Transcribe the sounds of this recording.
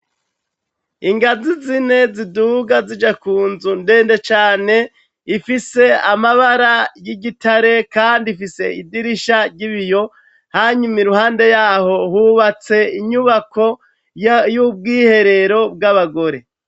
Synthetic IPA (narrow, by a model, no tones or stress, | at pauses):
iŋɡazizine̞ziduɡazid͡ʒakuːnzunde̞ːnde̞t͡ʃaːne̞ | ifise̞amaβaɾajiɟitaɾe̞kaːndifise̞̰idiɾiʃaɾɟiβijo̞ | haɲumiɾuhaːnde̞jaːɦo̞huβat͡se̞iɲuβako̞ | jub̚ɡiːhe̞ɾe̞ɾo̞bɡaβaɡo̞ɾe̞